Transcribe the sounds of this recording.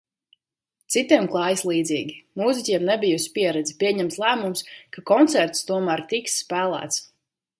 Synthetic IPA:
t̪sit̪iɛmklˠɑːjislˠiːd̪ziːɡʲimuzicʲiɛmnɛbijusi̥piɛɾɛd̪zipʲiɛɲɛmt̪slˠæːmumskakɔnt̪sɛɾt̪st̪uɔmæɾt̪iksːpæːlˠæ̰ːt̪s

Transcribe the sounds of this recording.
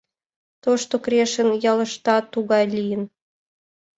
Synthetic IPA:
t̪oʃt̪okɾeʃə̆njɑlə̆ʃt̪ɑt̪uɣɑjlʲijən

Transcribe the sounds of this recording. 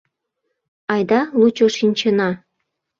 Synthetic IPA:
ɑjd̪ɑlˠut͡ɕoʃinʲt͡ɕɤ̆nɑ

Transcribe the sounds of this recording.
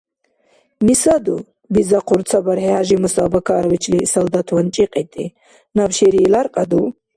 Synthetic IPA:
misad̪u | bid͡zaqʰʊɾt͡sʰɐbɐɾheaʒimusabɐkʰaɾwit͡ʃʰlisɐld̪at̪ʰwɐnt͡ʃʼiqʼit̪ʼḭ | nabʃeɾiːlaɾqʼad̪u

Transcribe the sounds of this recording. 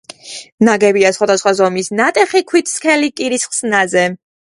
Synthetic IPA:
naɡɛbiasχwad̪asχwazɔmisnat̪ʼɛχikʰwit̪ʰskʰɛlikʼiɾisχsnazɛ

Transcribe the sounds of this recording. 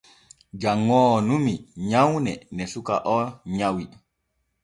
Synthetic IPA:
d͡ʒaŋːɔːnumiɲawnɛnɛsuka̰ʔɔɲawi

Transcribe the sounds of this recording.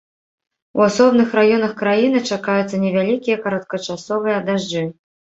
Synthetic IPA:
uasɔbnɨxɾajɔnɐxkɾajinɨt͡ʂakajut̪sːɐnʲɛvʲalʲikʲijɐkɐɾɐt̪̚kɐt͡ʂasɔvɨjɛd̪aʐd͡ʐɨ

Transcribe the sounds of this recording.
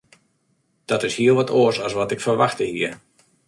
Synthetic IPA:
d̥ɔtɪshiəlˠʋɔtʰoəsɔsʋɔtɪkfərʋaxtəhiːər

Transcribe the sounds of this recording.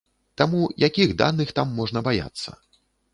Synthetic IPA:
t̪amujʔakʲiɣd̪a̰nɨxt̪amːɔʐnɐbaja̰t̪sːɐ̰

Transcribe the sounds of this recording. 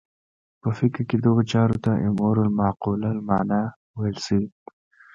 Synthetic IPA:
pəfɪkɾked̪əɣot͡ʃɑɾot̪aʔɪmoɾalmɑːqulalmɑːna | wajlsii

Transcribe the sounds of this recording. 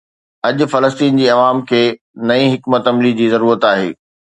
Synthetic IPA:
ɐʄʊ̆fɐləst̪iːnd͡ʑiːɐʋaːmkʰeː | nɐĩɦɪkmət̪ɐmlid͡ʑiːzɐɾuːɾət̪aːɦḛː

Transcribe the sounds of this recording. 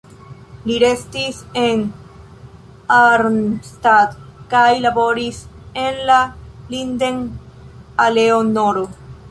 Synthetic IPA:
liɾest̪isen | aɾnst̪at̪kajlabo̞ɾisenlalind̪eŋ | aleonoɾo

